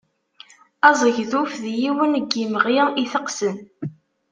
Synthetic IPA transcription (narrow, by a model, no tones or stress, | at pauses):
ɑzˤəʝðufðjiwənəɡːiməʁiʁiθəqsən